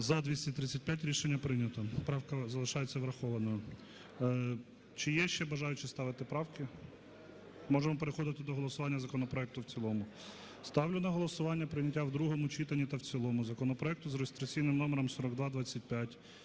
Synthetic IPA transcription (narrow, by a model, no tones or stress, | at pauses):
zɐd̪ʲʋʲisʲtʲɐt̪ɾɪt͡sʲːɐt̚ʲpʲjat̬ʲɾʲiʃenʲːɐpɾɪnʲɐt̪ɔpɾɑwkɐzɐlˠɪʃɑjet͡sʲːɐʋɾɐxɔʋɐnɔjʊ | t͡ʃɪjɛʃt͡ʃɛbɐʒɑjʊt͡ʃɪst̪ɑʋɪt̪ɪpɾɑwkɪ | mɔʒemɔpeɾexɔd̪ɪt̪ɪd̪ɔɦɔlˠɔsʊʋɑnʲːɐzɐkɔnɔpɾɔɛk̚t̪ʊwt͡sʲilˠɔmʊ | st̪ɑwlʲʊnɐɦɔlˠɔsʊʋɑnʲːɐpɾɪnʲɐtʲːawd̪ɾuɦɔmʊt͡ʃit̪ɐnʲːit̪ɐwt͡sʲilˠɔmʊzɐkɔnɔpɾɔɛk̚t̪ʊzɾɔst̪ɾɪkt͡sʲijnɪmnɔmeɾɔmsɔɾɔɡd̪ʋɑd̪ʋɑt͡sʲːɐtʲpʲjatʲ